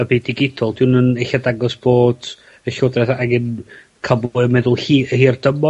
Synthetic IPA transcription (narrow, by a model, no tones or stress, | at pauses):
əbiːdiɡɪdɔlˠd̥ɪnəneɬadaɡɔsb̥oːd̥ | əɬodrɛθaɡɪn | kʰabʊɨmɛðʊlˠhiːəhiːrd̥əmɔ